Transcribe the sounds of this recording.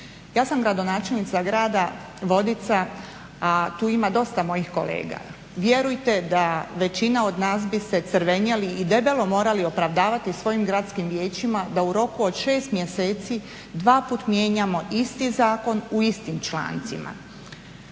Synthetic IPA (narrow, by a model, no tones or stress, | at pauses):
jaːsamɡɾad̪o̞naːt͡ʃe̞lnit̪saɡɾaːd̪a | ʋo̞d̪it̪sa | at̪uːimad̪o̞st̪amo̞jixko̞̰lḛːɡa̰ | ʋje̞ɾujt̪e̞d̪aʋe̞t͡ɕinao̞d̪naːsbise̞t̪sɾʋe̞ɲaliʔːd̪e̞be̞lo̞mo̞ːɾalio̞pɾaʋd̪aːʋat̪isʋo̞jimɡɾat̪skimʋje̞ːt͡ɕimad̪auɾo̞kuo̞d̪ʃe̞ːst̪mje̞seːt̪si | d̪ʋaːpuːt̪mje̞ːɲamo̞ʔist̪izaːko̞nuist̪imt͡ʃlˠa̰ːnt̪sima̰